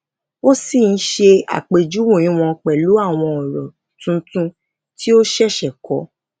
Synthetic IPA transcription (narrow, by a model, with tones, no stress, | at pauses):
o˦si˦˨n̩˦ʃe˧a̰˨k͡pe˨d͡ʒu˦wũ˦˨ĩ˨˦w̃ɔ̃˧k͡pɛ˨lu˨˦a˦˨w̃ɔ̃˧ɔ˨ɾɔ˨ | tũ˦tũ˦ | ti˦o˦ʃɛ˦˨ʃɛ˨kɔ˨˦